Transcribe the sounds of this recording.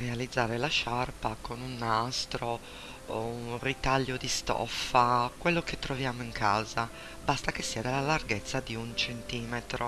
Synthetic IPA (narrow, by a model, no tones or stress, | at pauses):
realid̪zːaːɾelaʃarpakonunːast̪ɾo | unrit̪aʎːod̪ist̪ɔ̰fːakwelːoket̪ːɾovjaːmoiŋkʰaːza | bast̪akesːiad̪elːalarɡet̪sːad̪iunt͡ʃent̪iːmet̪ɾo